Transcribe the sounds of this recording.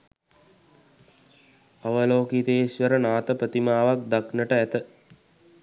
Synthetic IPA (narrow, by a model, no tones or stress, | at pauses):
aʋəloːkit̪eːsʋəɾənaːt̪əpɾət̪imaːʋak̚d̪aknəʈəæt̪ə